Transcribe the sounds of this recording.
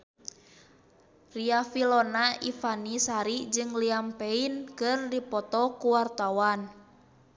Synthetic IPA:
riafilɔnaifanisaɾid͡ʒɨŋliampɛinkɨrdipɔt̪ɔkuwart̪awan

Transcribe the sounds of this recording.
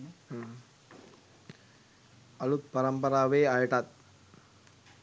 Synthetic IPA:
ɐɭut̚pɐɾɐmbɐɾaːʋeːaːjʈːaːt̪̚

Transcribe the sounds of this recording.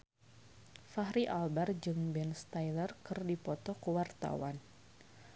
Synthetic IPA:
faɦɾiʔalbard͡ʒɨŋbɛnst̪ajlərkɨrdipɔt̪ɔkəwart̪a̰wan

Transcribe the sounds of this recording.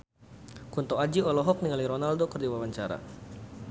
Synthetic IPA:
kunt̪ɔad͡ʒiɔlɔɦɔk̚niŋaliɾɔnaldokərdiwawaɲt͡ʃaɾa̰

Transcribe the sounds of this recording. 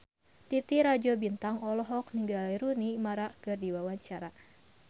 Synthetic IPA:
t̪it̪iɾad͡ʒɔbint̪aŋɔlɔɦɔk̚niŋɡaliɾunimaɾakɨrdiwawaɲt͡ʃaɾa

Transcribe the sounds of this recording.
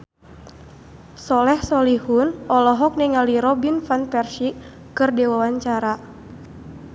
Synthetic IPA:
sɔlɛhsɔlihunɔlɔɦɔk̚niŋaliɾɔbinfanpɛrʃi | kɨrdɛwawaɲt͡ʃaɾa

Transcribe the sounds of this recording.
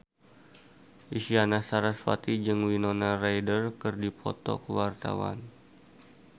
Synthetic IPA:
ʔisianasaɾasfa̰t̪id͡ʒɨŋwinonarajdərkɨrdipʰɔ̰t̪ɔ̰kəwart̪a̰wa̰n

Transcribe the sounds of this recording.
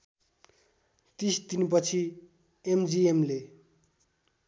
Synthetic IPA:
t̪ist̪inp̬ʌt͡sʰi | emd͡ziemle

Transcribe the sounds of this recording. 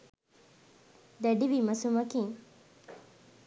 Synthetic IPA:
d̪ɛɖiʋimɐsumɐkiŋ

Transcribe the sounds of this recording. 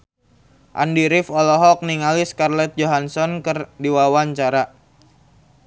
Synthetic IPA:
ʔa̰ndiɾɪfɔlɔɦɔk̚niŋaliskarlɛt̪̚d͡ʒoɦansɔnkɨrdiwawaɲt͡ʃaɾa

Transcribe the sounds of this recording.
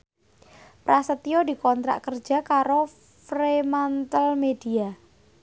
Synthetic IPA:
pɾasət̪iod̪i̤kɔnt̪ɾa̰ʔkərd͡ʒ̥a̤kaɾo | fɾemant̪əlmed̥ia

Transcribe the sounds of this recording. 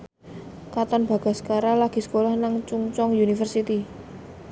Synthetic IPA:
kat̪ɔnb̥ä̤ɡ̥a̤skaɾalaɡ̥i̤sə̥kolahnaŋt͡ʃuŋt͡ʃɔŋjunifərsit̪i

